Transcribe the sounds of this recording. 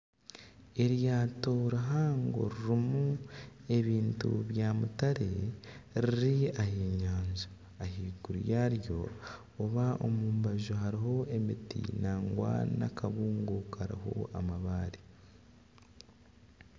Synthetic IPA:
e̞ɾjaːto̞ɾiɦaːŋɡo̞̰ɾiɾimue̞βiːntṵβjaːmutaɾeɾiɾiahiːɲaːɲzo | ahiːɡuɾjaɾjo̞̰ː | βao̰muːmbaʒoɦaɾiɦo̞e̞mitḭnaːŋɡwa̰na̰kaβuːŋɡokaɾḭho̞̰a̰maβaːɾi

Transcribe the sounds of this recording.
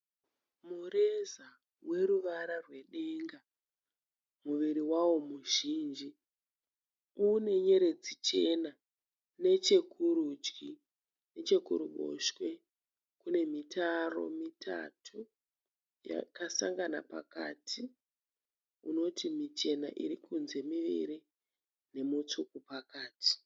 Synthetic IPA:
mure̞za | we̞ɾuʋaɾarwe̞ɗe̞ŋɡa | muʋiɾiwawo̞muʒiːnd͡ʒi | une̞ɲe̞ɾe̞d͡zit͡ʃe̞na | ne̞t͡ʃe̞kʰuɾud͡ʒki | ne̞t͡ʃe̞kṵɾuɓo̞̰ʃwe̞ | kune̞mitʰaro̞̰mitʰa̰tʰu | ja̰kasaŋɡana̰pa̰ka̰tʰi | uno̞timit͡ʃe̞na̰ʔiɾikunze̞miʋḭɾi | ne̞mut͡sukupakaːti̥

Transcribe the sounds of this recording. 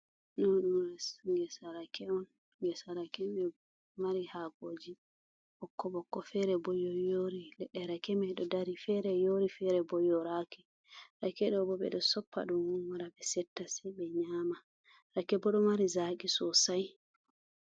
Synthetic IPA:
nɔɗumɾasŋɡɛsaɾakɛɔn | ɡɛsaɾakɛmɛ | maɾihaɡoːd͡ʒi | bɔkːɔɓɔkːɔfɛɾɛbɔjɔjoːɾilɛɗːɛɾakɛmɛɗɔdaɾifɛɾɛjoɾifɛɾɛbɔjɔɾakɛ | ɾakɛɗɔbɔɓɛ̰ɗɔsɔpːa̰ɗunwunwaɾabɛsɛtːasɛɓɛɲaːma | ɾakːɛbɔɗɔmaɾizaːkisɔsaj

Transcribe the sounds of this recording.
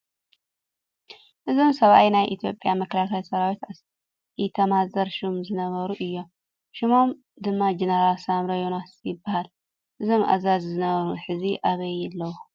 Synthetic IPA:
ʔɨzo̞msɐβʔajnajʔit̪ʰijo̞pʼjamɐklakajsɐɾawit̪a | jit̪ʰɐmazɐɾʃumzɨnɐβɐɾuʔɨjːo̞m | ʃɪmo̞m | d̪ɨmːad͡ʒeneɾalsamɾɐjonasjɪbːahal | ʔɨzo̞mʔa̰zazzɨnɐβɐɾuħɨziʔaβɐjɛlːɐwu

